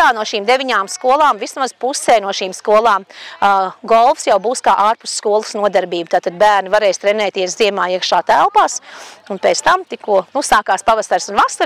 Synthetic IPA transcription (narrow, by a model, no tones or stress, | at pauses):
aːnuɔʃiːmd̪evʲiɲaːmskuɔlˠaːmvismazpusɛːnuɔʃiːmskuɔlˠaːm | ɡɔlˠfsjawbuːskaːʔaːɾpusskuɔlˠəsnuɔd̪aɾbiːbut̪aːt̪ad̪̚bæːɾnivaɾɛːjst̪ɾɛnɛːt̪iɛsziɛmaːiɛkʃaːt̪ælˠpaːsunpɛːt̪st̪amt̪ikuɔnusaːkaːspaʋasaɾsunvasaɾ